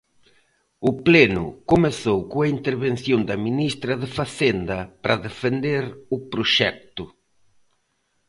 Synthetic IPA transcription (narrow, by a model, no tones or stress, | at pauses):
ʊplenʊ̰komeθowkoaint̪eɾβen̟θjond̪ɐminist̪ɾɐðefaθend̪ɐpɾɐðefend̪eɾʊpɾoʃɛ̰k̚t̪ʊ